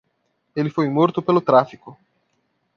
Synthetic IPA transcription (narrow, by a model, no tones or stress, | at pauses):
elɪfojmoɾt̪ʊpelʊt̪ɾafikʊ